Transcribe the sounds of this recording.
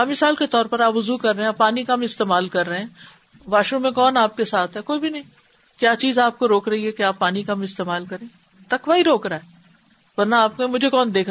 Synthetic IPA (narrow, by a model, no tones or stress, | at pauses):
ɐmɪsaːlket̪ɔːɾpɐɾaːpʋʊzuːkɐɾːɐɦẽɛ̃pːaːnikɐmɪst̪eːmaːlkɐɾːɐɦeɛ̃ː | ʋaːʃɾũmẽkɔːnaːp̚kesaːt̪ʰɦɛkoːibʱinɐɦĩː | kjaːt͡ʃiːzaːp̚koɾoːkɾɐɦiɦɛkeaːpːaːnikɐmɪst̪eːmaːlkɐɾẽː | t̪ɐkʋaːiɾoːkɾaːɦɛː | ʋɐɾnaaːp̚kemʊd͡ʒʱekɔːnd̪eːkʰ